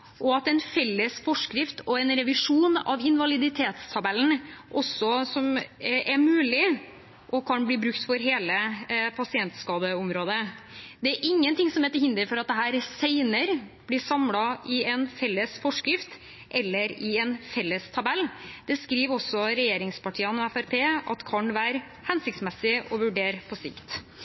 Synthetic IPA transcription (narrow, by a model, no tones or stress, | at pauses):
ʔɔɑt̪ɛnfɛlːəsfɔʂkɾɪft̪ʰɔɛnɾɛʋɪʂuːnɑ̰ʋɪnʋɑlɪd̪ɪt̪ʰeːt̪st̪ʰɑbɛln̩ʔɔsɔsɔmʔɛmʉːlɪ | ʔɔkʰɑnbliːbɾʉkt̪fɔɾɦeːləpʰɑsɪɛnt̪skɑːd̪əɔmɾoːd̪əd̪ɛæɾʔɪŋːənt̪ɪŋsɔmhɛːt̪ːəɾhɪnd̪əɾfɔɾɑt̪̚d̪ɛɦæːɾsæɪnəɾb̥lɪːʂɑmlɑɪɛnfɛlːəsfɔʂkɾɪft̪ | ʔɛlːəɾɪɛnfɛlːəst̪ʰɑbɛlːd̪̥ɛskɾiːʋɔsɔɾɛjeːɾɪŋspɑʈʰiːənɔɛfæɾpʰeːɑt̪kʰɑnʋæːɾ | hɛnsɪk̚t̪smɛsɪɔʋʉɖeːɾpʰɔsɪ̰kt̪